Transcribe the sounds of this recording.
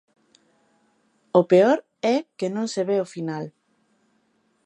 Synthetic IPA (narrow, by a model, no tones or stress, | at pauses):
opeoɾ | ɛkenõŋseβeofinal